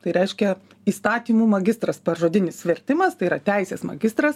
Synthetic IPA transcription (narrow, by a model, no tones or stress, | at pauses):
t̪ɐɪɾʲɛɪʃʲkʲɛ | iːst̪ɑːt̪ʲiːmuːmɐɡʲɪst̪ɾɐspɐrʒoːd̪ʲɪnʲɪsʋʲɛɾʲt̪ʲɪmɐst̪ɐɪiːɾɐt̪ʲɛˑɪsʲeːsmɐ̰ɡʲɪst̪ɾɐs